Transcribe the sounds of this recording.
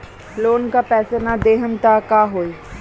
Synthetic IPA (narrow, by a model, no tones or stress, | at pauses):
ploːnkapɛːsenad̪eːɦənt̪akaːɦoːiː